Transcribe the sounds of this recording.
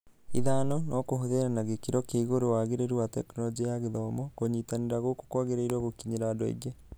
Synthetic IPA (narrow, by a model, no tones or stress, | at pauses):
iðanɔnɔkoɦoðeɾanaɣekiɾɔkeiɣoɾowaɣeɾeɾuwatɛknɔlɔd͡ʒijaɣeðɔmɔkoɲitaneɾaɣoko̥kwaɣeɾaiɾɔɣokiɲeɾaadɔḭɡe